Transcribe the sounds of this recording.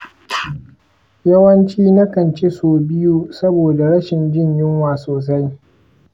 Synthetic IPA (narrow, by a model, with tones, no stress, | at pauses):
jɐ˦wɐ˦nt͡ʃiː˦nɐ˦kɐ˨nt͡ʃe˦soː˨bɪ˦ju˦sɐ˦boː˨da˨ɽɐ˦ʃɪ˨nd͡ʒɪ˦˨ɲjɪ˦ŋwaː˨soː˨s̬a˦j